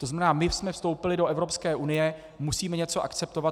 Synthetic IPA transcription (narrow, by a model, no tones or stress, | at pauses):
t̪oznamɛnaːmɪsmɛfst̪o̞wpɪlɪdoʔɛvɾopskɛːʔunɪjɛ | musiːmɛɲɛt͡so̞ʔa̰kt͡sɛp̚t̪o̞vat̪